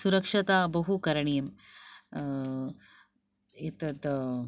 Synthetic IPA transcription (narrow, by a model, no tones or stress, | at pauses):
suɾɐkʂɐt̪aːbɐɦukɐɾɐɳijɐm | it̪ɐt̪